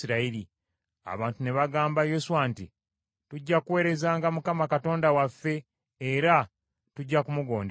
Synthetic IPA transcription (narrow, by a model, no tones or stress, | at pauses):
iɾaili | a̰βaːntune̞βaɡaːmbajosuwanti | tuɟːakuwe̞ːɾe̞zaːŋɡamukamakato̞ːndawafːe̞ː | ɾa | tuɟːakumuɡo̞ːnd